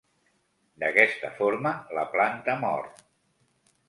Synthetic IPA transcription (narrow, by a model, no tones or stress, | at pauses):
d̪əkɛst̪ə̰foɾmələplant̪əmɔ̰ɾt̪